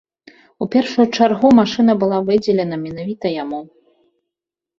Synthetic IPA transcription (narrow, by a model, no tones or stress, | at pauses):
upʲɛrʂujut͡ʂarɣumaʂɨn̪ɐbɨlˠavɨd͡zʲɛlʲɛnɐmʲɛnavʲit̪ɐjamu